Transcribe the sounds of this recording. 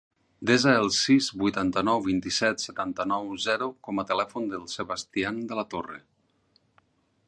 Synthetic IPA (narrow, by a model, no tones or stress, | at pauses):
d̪ezaəlˠsizβujt̪ant̪ənɔwβint̪isɛt̪sət̪ant̪ənɔwzɛɾukɔmət̪əlɛfund̪əlˠsəβast̪iand̪əlat̪orḛ